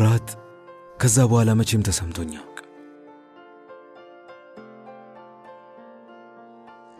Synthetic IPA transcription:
ɾat̪ | kʰəzːabəhalamət͡ʃemt̪ʰəsəmt̪ʰo̞ɲːakʼ

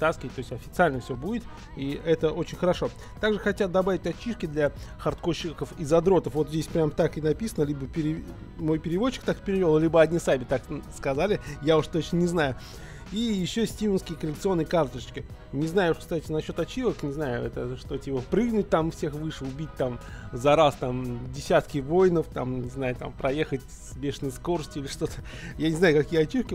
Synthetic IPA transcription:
t̪askʲɪvət̚ʲt̪ːo̞ɪsʲtʲɐfʲɪt̪sɨalʲnəfsʲobudʲɪt̪ | iɛt̪əʔo̞t͡ɕɪnʲxəɾɐʂo̞ | t̪aɡʐɨxɐtʲat̪̚d̪ɐbavʲɪtʲɐt͡ɕːiʂkʲɪd̪lʲaxɐrt̪ko̞ɕːɪkəfɪzɐd̪ɾo̞t̪əfvo̞t̪zʲdʲesʲpɾʲamt̪akɨnɐpʲisənəlʲibəpʲɪɾʲɪ | mo̞jpʲɪɾʲɪvo̞t͡ɕːɪ̥k̚t̪akpʲɪɾʲɪvʲelˠlʲibəɐd̪ʲnʲɪsabʲɪt̪akskɐzalʲɪjaʊʂt̪o̞t͡ɕnənʲɪznajʊ | ijɪɕːosʲtʲivʊnskʲɪjəkəlʲɪkt̪sɨonːəjəkart̪əʂt͡ɕʲkʲɪ | nʲɪznajʊʊʂkst̪atʲɪnɐɕːo̞t̪ɐt͡ɕivəknʲɪznajʊ̰ɛ̰t̪əʂt̪o̞tʲipəpɾɨɡnʊt̚ʲt̪amfsʲexvɨʂʊbʲit̚ʲt̪amzɐɾast̪amdʲɪsʲat̪kʲɪvo̞jnəft̪amnʲɪznajʊt̪a̰mpɾɐje̞xətʲ | sbʲeʂɨnəsko̞rəsʲtʲʊilʲɪʂt̪o̞t̪ə̥ | janʲɪznajʊkɐkʲijəɐt͡ɕːifkʲɪ

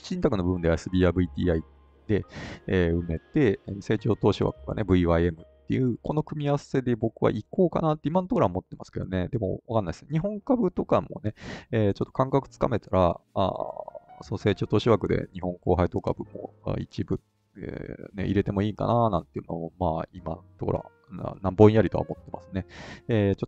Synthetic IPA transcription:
ɕĩnt̪akɯ̟no̞bɯbɯ̟nd̪e̞aesɨbʲiːaːbɯ̟it̪ʲiːai | d̪̥e̞eːɯ̟me̞t̪e̞se̞ːt͡ɕo̞ːt̪oːɕiβa̰kɯ̟ɡa̰ne̞bɯ̟iβaie̞mɯ̟t̪ːejɯ̟ːko̞no̞kɯ̟mʲiase̞d̪e̞bo̞kɯ̟βa̰ʔiko̞ːka̰naːt̪ːeimãnot̪okːoɾamo̞t̪ːe̞masɨ̥ked̪o̞̰ne̞d̪e̞mo̞̰βakanaisɨnɲ̟iɦõ̞ŋkabɯ̟t̪o̞kamo̞̰ne̞eːt͡ɕo̞t̪ːo̞kãŋkakɯ̟̥t͡sɨ̥kame̞t̪aɾaa̰ːsonose̞ːt͡ɕo̞ːt̪oːɕiβakɯ̟d̪e̞̰ɲihõ̞ŋko̞ːɦaid̪o̞ːkabɯ̟mo̞̰a̰it͡ɕibɯ̟̰ | ne̞̰ʔiɾe̞t̪e̞mo̞iːka̰nanã̰nt̪ːe̞jiɯ̟nomomaːimãnt̪oko̞ɾa̰ | a̰nãmbõ̞ĩjaɾʲit̪o̞a̰mo̞t̪ːe̞mʔasɨ̥ne̞eːt͡ɕot̪ː

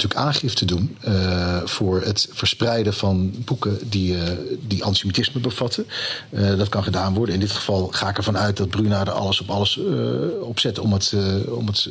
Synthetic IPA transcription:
tyːəkaːnχɪftədun | v̥ʊːɹətfəɹsprɛjdəvɑnbukədidiʔɑntymitɪsməbəv̥ɑtʰə | dɑtkɑnχədaːnʋɔɹdənɪndɪtχə̥vɑlˠχaːɪkɛɹvɑnœɥt̚dɑd̚brynaːdəɑ̰ləsɔpɑləs | ɔpsɛtɔmətɔ̰mət

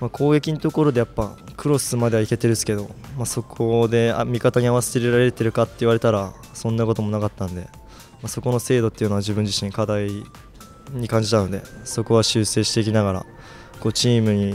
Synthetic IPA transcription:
makʰo̞ːɡe̞kʲiɲit̪o̞ko̞ɾo̞d̪e̞japːakʰɯ̟ɾo̞sɨmad̪eaike̞t̪e̞ɾɯ̟sɨ̥ke̞d̪o̞maso̞kʰo̞d̪e̞a̰mʲikat̪aɲ̟iaβaseɾeɾaɾe̞ɾet̪e̞ɾɯ̟kat̪ːe̞iβaɾe̞t̪aɾa | sõ̞nːako̞t̪o̞mo̞nakat̪ːãnd̪e̞ | maso̞ko̞no̞se̞ːd̪o̞t̪ːe̞iɯ̟noaʑibɯ̟̃ɲ̟d͡ʑiɕĩŋkad̪ai | ɲ̟ikãɲ̟d͡ʑit̪ano̞d̪e̞̰so̞ko̞βaɕɨːse̞ːɕi̥t̪eikʲinaɡaɾa̰ | ko̞ːt͡ɕiːmɯ̟ɲ̟i

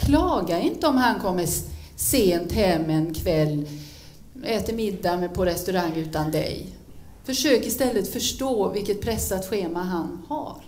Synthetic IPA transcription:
kʰlɑːɡaɪnt̪əɔmhankʰɔmːə | seːnt̪hɛmːɛnkʰvɛlː | ɛːt̪əɾmɪd̪ːampʰɔɾɛst̪ɵɾaŋːʉ̟ːt̪and̪ɛ̰j | fœʂøːkɪst̪ɛlːət̪fœʂʈoːvɪlkət̪̚pʰɾɛsːat̪ɧeːmaɦanha̰ɾ

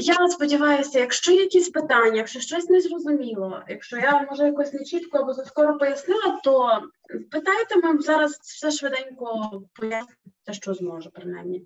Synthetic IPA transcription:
jaspɔdʲiʋɑjʊsʲɐjɐkʃt͡ʃɔjjɐkʲisʲpɪt̪ɑnʲːɐjɐkʃt͡ʃɔʃt͡ʃɔsʲnɛzrɔzʊmʲilˠɔjɐkʃt͡ʃɔjamɔʒɐjɐkɔsʲnet͡ʃit̪kɔɐbɔzɐskɔɾɔpɔjɐsnɪlˠɐt̪ɔ | pɪt̪ɑjt̪emɪwzɑɾɐzw̥sɛʃʋed̪ɛnʲkɔpɔjasnʲɪt̪ɛʃt͡ʃɔzmɔʒɛpɾɪna̰jmnʲi

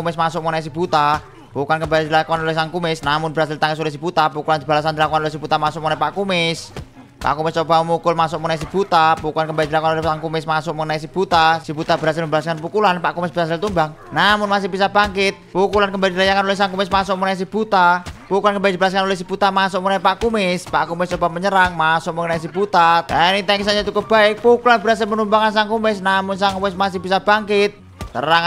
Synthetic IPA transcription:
umɪsmasʊʔmonais̬ib̥ut̪a | pukankəmbalid̪ilakuanolɛhsaŋkumɪsnamʊnbɾasɪlt̪aŋɛs̬olɛsib̥ut̪apukuland̪ib̥alas̬and̪ilakuanolsib̥ut̪amasʊʔmonapaʔkumɪs | pa̰ʔkumɪst͡ʃobaməmukʊlmasʊʔmunais̬ib̥ut̪apukulankəmbalid̪ilakuanolɛhsaŋkumɪsmasʊʔmonais̬ib̥ut̪asibut̪abɾasɪlməmbalaskanpukulanpaʔkumɪsb̥ɾasɪlt̪umbaŋ | namʊnmas̬ɪhb̥isab̥aŋkɪt̪̚pukulankəmbalidlajakanolɪhsaŋkumɪsmasʊʔ̚munais̬ib̥ut̪apukulankəmbaid̪ibalas̬kanolɪhsib̥ut̪amasʊʔ̚munaipaʔkumɪspa̰ʔkumɪst͡ʃobaməɲəɾaŋmasʊʔməŋənais̬ib̥ut̪at̪anit̪aŋis̬aɲait̪ukəb̥aɪk̚pukulanbəɾas̬almənumbaŋansaŋkumɪsnamʊnsaŋkumɪsmasɪhb̥isab̥aŋkɪt̪̚ | sə̰raŋ

